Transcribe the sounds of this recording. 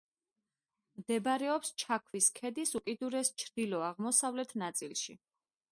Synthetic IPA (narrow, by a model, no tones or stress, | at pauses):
md̪ɛbɾɛɔpst͡ʃʰakʰviskʰɛd̪isukʼid̪uɾɛst͡ʃʰɾd̪̥ilɔaʁmɔsavlɛt̪ʰnat̪sʼilˠʃḭ